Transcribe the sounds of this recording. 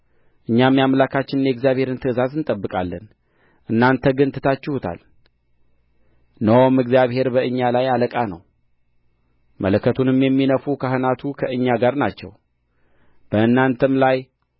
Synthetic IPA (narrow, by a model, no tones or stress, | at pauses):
ʔɨɲːamːijamlakʰat͡ʃːɪnɨnjɛɡzijaβhe̞ɾɨnt̪ʰɨɨzazɨnt̪ʼəbːɨkʼalːən | ʔɨnːant̪ʰəɡɨnt̪ʰɨ̥t̪ʰat͡ʃːɪhut̪ʰa̰l | nəwomɨɡzijaβhe̞ɾbəʔɨɲːalajaləkʼanə̰w | mələkʰːət̪ʰunɨmjɛmːinəfukʰahɨnat̪ʰukʰəʔɨɲːaɡaɾnat͡ʃːɛ̰w | b̥əɨnːant̪ʰəmlaj